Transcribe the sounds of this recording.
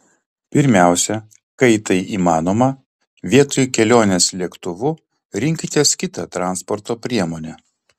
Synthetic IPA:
pʲɪɾʲmʲæˑʊsʲɛ | kɐɪt̪ɐɪʔiːmɑːnoːmɐ | ʋʲiɛt̪oːjkʲɛlʲoːnʲeːslʲiɛkt̪ʊʋʊ | ɾʲɪŋʲkʲɪt̪ʲiɛskʲɪt̪ɐ̰t̪ɾɑˑnspɔɾt̪oːpʲɾʲiɛmoːnʲɛː

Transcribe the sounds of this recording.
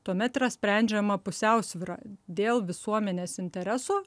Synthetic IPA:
t̪uɔmʲɛt̪ɪɾɐsʲpʲɾʲɛˑnʲd͡ʒʲɛmɐpʊsʲɛˑʊsʲʋʲɪɾɑ̰ːd̪ʲeːlˠʋʲɪsuɔmʲɛnʲeːsɪnʲt̪ʲɛɾʲæsoː

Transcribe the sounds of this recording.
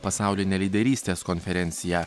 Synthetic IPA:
pɐsɑˑʊlʲɪnʲɛlʲid̪ʲɛɾʲiːsʲt̪ʲeːskɔnʲfʲɛɾʲɛnʲt̪sʲɪjɛ

